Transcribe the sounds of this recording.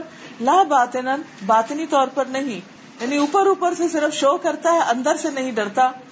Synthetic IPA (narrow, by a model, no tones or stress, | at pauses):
laːbaːt̪enənbaːt̪nit̪ɔːɾpəɾnɐɦĩ | janiupəɾuːpəɾsesɪɾəfʃoːkɐɾt̪aɦɛʔɐ̃nd̪əɾsenɐɦĩɖɐɽt̪a